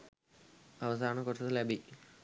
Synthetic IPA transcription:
ɐʋɐsaːɳɐkoʈːɐt̪ɐlɐbʱi

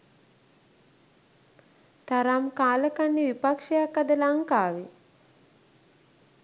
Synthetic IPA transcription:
t̪aɾamkaːləkanːiʋipakʂejakːad̪əlaŋkaːʋi

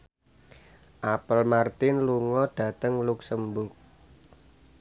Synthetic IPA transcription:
ʔapəlmart̪ɪnluŋɔɖ̥ä̤t̪əŋluksəmbʊk̚

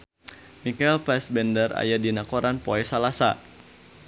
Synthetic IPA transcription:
mikaɛlpɛsbɛndəra̰jadinakoɾanpoɛsalasa̰

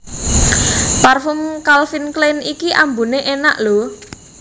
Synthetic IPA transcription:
parfʊmkalfinklenikiʔambuneʔena̰ʔlo

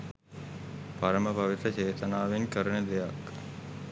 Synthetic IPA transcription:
pɐɾəməpɐʋit̪ɾət͡ʃeːt̪ənaːʋinkəɾəɳed̪ejak

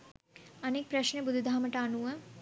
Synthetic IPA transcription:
ɐnek̚pɾɐʃnebud̪ʱd̪ʱaːmɐʈaːnuːe

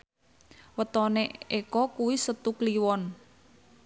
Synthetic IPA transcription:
wət̪ɔneekɔkuwisət̪ukliwɔn

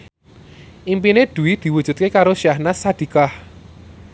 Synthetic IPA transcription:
ʔimpined̪̥ṳwid̪̥i̤wu̥ʒ̥ṳt̪̚kekaɾoʃiahnasad̪̥i̤kah

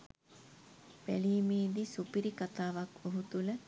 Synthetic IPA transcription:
ʋæliːmiːd̪isupiɾikat̪aːʋakoɦut̪ulə

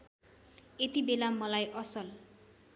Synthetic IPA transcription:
et̪ibelamʌlajʔʌsʌl

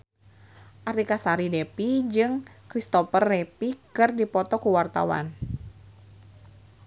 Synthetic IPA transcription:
ʔart̪ikasaɾidepid͡ʒɨŋkɾist̪ɔpərːɛpikɨrdipɔt̪ɔkuwart̪a̰wa̰n

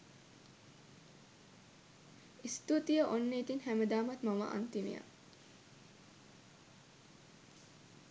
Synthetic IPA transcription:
ist̪ut̪ijəʔonːəit̪inhæməd̪aːmat̪mamə̰ʔa̰nt̪inḛja̰

